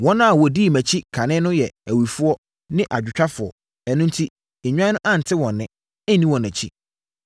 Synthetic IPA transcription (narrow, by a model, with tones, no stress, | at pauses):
wɔ̃˦nã˦a˨wɔ˨di˦˨mæ̃˨t͡ɕʰi˦kʰã˨nɪ̃˦nʊ̃˦jɛ˨æ˨wi˨fʊ˦ɔ˦ | nɪ̃˦ʔa˨d͡ʑᶣɪ˨t͡ɕᶣa˦fʊ˨ɔ̰˨ | ɛ˨nʊ̃˦n̩˦tʰi˦ | e˨ɲᶣã˦nʊ̃˦ʔã˦˨n̩˨tʰɪ˦wɔ̃˨nːɪ̃˦ | ɛ˦nːĩ˦wɔ̃˨næ̃˨t͡ɕʰi˦